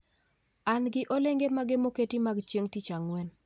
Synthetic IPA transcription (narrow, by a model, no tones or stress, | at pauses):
anɡɪʔoleŋɡemaɡemoketimaɡt͡ʃjeŋtit͡ʃaŋwɛn